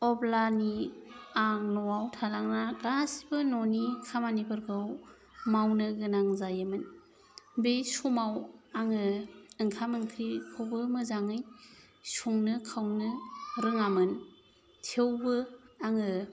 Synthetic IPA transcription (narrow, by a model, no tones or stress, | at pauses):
ɔblaniaŋnɔwawtʰalaŋnaɡasi̥bɯnɔnikʰamanibɯɾɡɯw | mawnɯɡɯnaŋzajɯmɯn | besumawaŋɯɯŋkʰamɯnkʰɾikʰowbɯmɯzaŋɯj | suŋnɯkʰawnɯɾɯŋamɯn | tʰewbɯaŋɯ